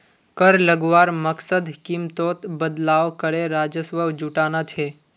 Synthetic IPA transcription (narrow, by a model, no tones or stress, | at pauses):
kəɾləɡwaːɾməksəd̪kimt̪oːt̪bəd̪laːʋkɐɽeɾaːd͡ʒəswəwd͡ʒuʈaːnat̪ʰeː